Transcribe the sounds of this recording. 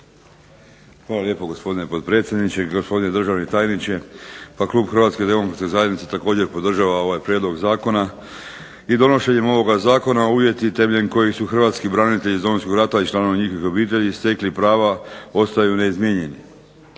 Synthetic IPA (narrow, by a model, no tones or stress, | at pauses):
xʋaːlalje̞ːpo̞ɡo̞spo̞d̪inepo̞d̪̚pɾe̞ːt̪sʲje̞d̪nit͡ɕeɡospo̞d̪ine̞d̪r̩ʒaʋnet̪aːjnit͡ɕe̞paklˠuːbxr̩ʋat̪ske̞d̪e̞mo̞kɾat̪kezajed̪nit̪set̪ako̞ːd͡ʑe̞ɾpo̞d̪r̩ʒaːʋao̞ʋajpɾjed̪lˠo̞ɡzaːko̞na | id̪o̞no̞ʃe̞ɲemo̞ʋo̞ɡazaːko̞nauʋje̞t̪it̪e̞meʎeɲko̞jisuxrʋaːt̪skibɾanit̪e̞ʎizd̪o̞monsko̞ɡɾat̪ait͡ʃlˠaːno̞ʋaɲixo̞ʋixo̞biːt̪e̞ʎist̪e̞klipɾaːʋao̞st̪ajuneizmjeɲe̞ni